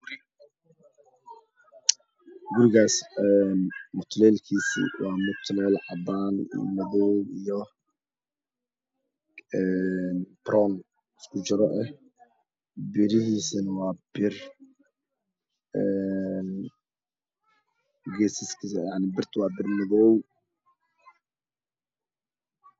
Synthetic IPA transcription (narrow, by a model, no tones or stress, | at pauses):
ɡʊɾɪɣaːsɛnmʊt̪ʰlɛːlkʰiːsḭːwɑːmʊt̪ʰlɛːlʕɑbaːnmɐðɔwijɔ | ɛnb̥ɾɔːn | ɪskʰʊt͡ʃɪɾɔʔɛh | bɪɾɪɦiːsɐnɐwɑːbɪr | ɛn | ɡɛːsɪskʰijaʕnɪbɪrt̪ʰwɑːbɪrmɐðɔw